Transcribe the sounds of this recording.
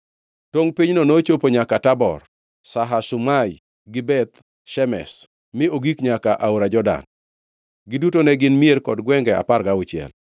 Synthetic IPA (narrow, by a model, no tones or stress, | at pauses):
toŋpiɲnonot͡ʃopoɲakatabɔ̰r | saɦasumaj | ɡɪbɛt̪ | ʃɛmɛ̰s | mɪoɡikɲakaʔauɾad͡ʒɔda̰n | ɡɪdutonɛɡɪnmierkɔdɡwɛŋɡɛa̰parɡaʊt͡ʃɪɛ̰l